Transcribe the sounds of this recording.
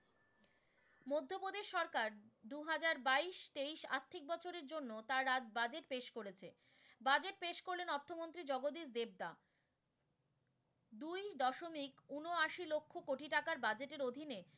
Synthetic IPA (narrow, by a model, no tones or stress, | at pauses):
mod̪ʱːopod̪eʃɔɾkaɾd̪uɦad͡ʑaɾbaiʃt̪eiʃa̰ɾt̪ʰːik̚bɔt͡ɕʰoɾeɾd͡ʑonːot̪aɾːat̪bad͡ʑeʈpeʃkoɾet͡ɕʰe | bad͡ʑeʈ̚peʃkoɾlenɔt̪ʰːomont̪ɾid͡ʑɔɡod̪isd̪eb̚d̪a | d̪ujd̪ɔʃomikunoaʃilokʰːokoʈiʈakaɾbad͡ʑeʈeɾod̪ʱine